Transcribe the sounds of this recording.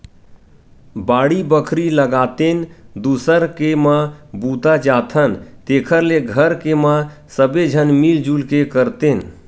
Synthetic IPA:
baːɽibəkʰɾiləɡaːt̪end̪uːsəɾkemãbuːt̪ad͡ʒaːt̪ʰənt̪eːkʰəɾleɡʱəɾkemã | səbed͡ʒʱənmiːld͡ʒuːlkekəɾt̪en

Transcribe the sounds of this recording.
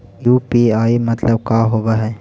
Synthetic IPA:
juːpiaːimɐt̪ləb̚kaːɦoːbaɦɛː

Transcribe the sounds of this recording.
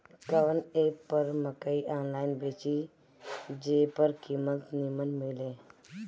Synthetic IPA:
kəʋənepːəɾməkəiʔaːnlaːjɪnbeːt͡ʃi | d͡ʒeːpəɾkimət̪nimənmɪlẽː

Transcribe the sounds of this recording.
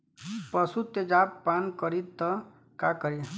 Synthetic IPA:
pəsut̪ed͡ʒapːankʌɾit̪ːʌ | kakəɾi

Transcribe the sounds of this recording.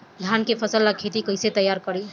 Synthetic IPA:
d̪ʱankepʰəsəlːakʰet̪ikəjset̪əjːaɾkəɾi

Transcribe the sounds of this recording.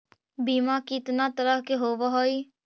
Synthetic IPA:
biːmãːkɪt̪nãːt̪əɾəɦkeɦoːʋaɦoːiː

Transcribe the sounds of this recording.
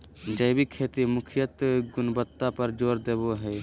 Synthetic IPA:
d͡ʒəjbikʰeːt̪imʊkʰɪjət̪ɡʊnbət̪ːapəɾd͡ʒoːɾd̪eːboɦɛː

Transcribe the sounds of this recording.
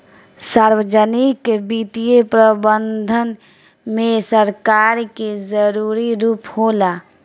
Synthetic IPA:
saːɾwəd͡ʒənɪkbiːt̪ijepɾəbənd̪ʱən | mẽsəɾkaːɾkezəɾuːɾiɾuːpholaː

